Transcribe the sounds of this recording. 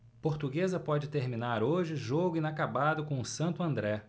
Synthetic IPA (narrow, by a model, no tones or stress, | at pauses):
poɾt̪uɡezɐpɔd͡ʒɪt̪eɾmĩnaɾoʒɪʒoɡʊĩnakabad̪ʊkõʊsɐ̃nt̪ʊɐ̃nd̪ɾɛ